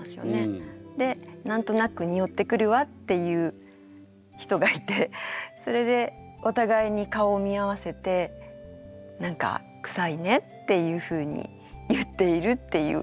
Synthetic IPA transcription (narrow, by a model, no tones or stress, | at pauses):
sɨjo̰ne̞d̪e̞nãnt̪o̞nakɯ̟ɲ̟io̞t̪ːe̞kɯ̟ɾɯ̟βat̪ːe̞jɯ̟ː | çi̥t̪o̞ɡait̪e̞so̞ɾe̞d̪e̞ | o̞t̪aɡaiɲ̟ikao̞mʲiaβ̞ase̞t̪e̞ | nãŋka̰ | kɯ̟̥saine̞t̪ːe̞jɯ̟ːɸɯ̟ːɲ̟ḭ | jɯt̪ːe̞iɾɯ̟t̪ːe̞jɯ̰